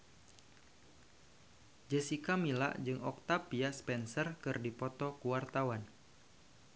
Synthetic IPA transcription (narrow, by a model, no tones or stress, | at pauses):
d͡ʒəsikamila̰ʔd͡ʒɨŋʔɔk̚t̪apiaspɛnsərkɨrdipɔt̪ɔkuwart̪awan